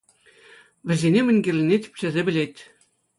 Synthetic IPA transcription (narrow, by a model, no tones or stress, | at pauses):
ʋʲɘ̆zʲenʲemʲɘ̆nʲɡʲĕrʲlʲɘnʲet̪ʲi̥pʲt͡ɕɘ̆zʲĕbʲɘ̆lʲet̪ʲ